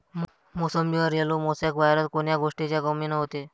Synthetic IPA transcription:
mosəmd͡ʑiʋəɾjelomosakbaɦɾət̪̚koɳjaɡoʂʈit͡ɕjakəmiːnəɦot̪e

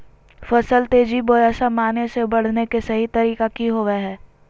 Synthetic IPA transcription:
fɐsəlt̪eːd͡ʒiboɾɛːsamaːnesebɐɽ̤nekesɐɦit̪ɐɾiːkakiɦoːʋeɦɛː

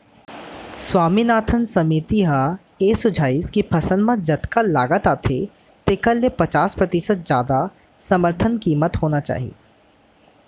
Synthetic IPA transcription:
swaːminaːt̪ʰənsɐmit̪iɦa | eːsʊd͡ʒʱaːiːskipʰɐsə̃nd̪mə̃d͡ʒɐd̪kalaːɡət̪aːt̪ʰḛ | t̪ekɐlːepɐt͡ʃaːspɾɐt̪ɪsət̪̚zjaːd̪a | sɐməɾt̪ʰənkiːmət̪ɦoːnat͡ʃa̰ːɦḭḛː

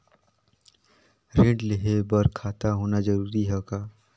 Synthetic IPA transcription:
ɾɪ̃ɖleɦebəɾkʰaːt̪aɦoːnad͡ʒəɾuːɾiɦɛkaː

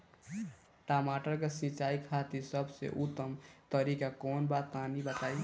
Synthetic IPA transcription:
ʈamaʈəɾkesĩt͡ʃaikʰat̪isəbsḛʔut̪ːəmt̪əɾikakonbat̪anibət̪aj

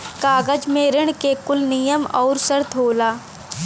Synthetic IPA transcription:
kaːɡəd͡ʒmeːɾəɽ̃kekʊlnijəmɔ̰ːɾsəɾt̪ʰɦoːlaː

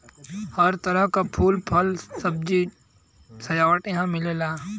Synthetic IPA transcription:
hɐɾt̪ɐɾəɦkapʰuːlpʰɐlsɐb̚d͡ʒi | sɐjaːʋəʈjɐɦãmɪleːlaː

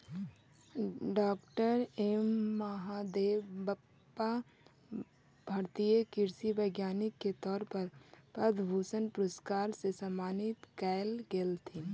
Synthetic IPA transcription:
ɖɔːkʈəɾeːmːəɦad̪eːʋbəpːa | bʱɐɾt̪ijəkɪɾsibəɪɡjaːnɪkːet̪ɔːɾpəɾpəd̪ʱbʱusənpɾoskaːɾsesəmaːnɪt̪kɛɪlɡelt̪ʰi

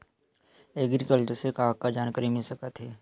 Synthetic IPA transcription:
eːɡɾɪkəlʈəɾsekaːɡ̚kad͡ʒaːnkəɾimɪlsəkət̪ɦeː

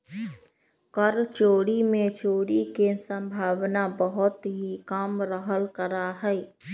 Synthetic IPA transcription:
kəɾt͡ʃoːɽimẽt͡ʃoːɽikesə̃mbʱaːwnabəɦʊt̪ɦikaːmɾəɦəlkəɾaɦɛ

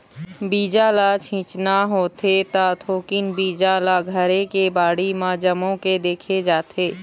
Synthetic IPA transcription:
biːd͡ʒaːlat͡ʃʰĩːt͡ʃnaɦoːt̪et̪at̪ʰoːkɪnbiːd͡ʒaːlaɡʱəɾekebaːɽimãd͡ʒəmõked̪eːkʰed͡ʒaːt̪ʰeː

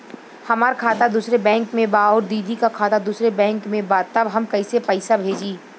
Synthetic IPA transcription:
hɐmaːɾkʰaːt̪ad̪uːsɾebɛ̃ːŋkmẽbaɔːɾd̪iːd̪ikakʰaːt̪ad̪uːsɾebɛ̃ːŋkmẽbat̪ɐbɦɐmkɐisepəɪsabʱeːd͡ʒiː

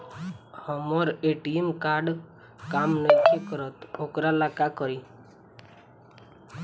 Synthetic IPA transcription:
hɔmɔɾeʈiemkaɾɖ | kamnəkikɔɾɔt̪okɾalakakɔɾi

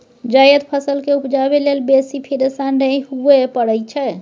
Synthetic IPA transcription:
d͡ʒajəd̪pʰəsəlkeupd͡ʒabelelbesipʰiɾesannəjɦuepəɽəjt͡ʃʰɛ

